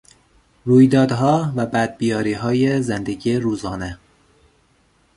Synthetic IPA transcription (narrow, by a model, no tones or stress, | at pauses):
ruːjd̪ɒːd̪ɦɒːvæbæd̪̚bijɒːɾiːɦɒːjezend̪e̞ɟiːeɾuːzɒːne̞